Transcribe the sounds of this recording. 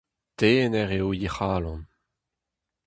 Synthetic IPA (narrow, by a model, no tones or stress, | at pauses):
teːnɛʁeojeχaːlɔ̃n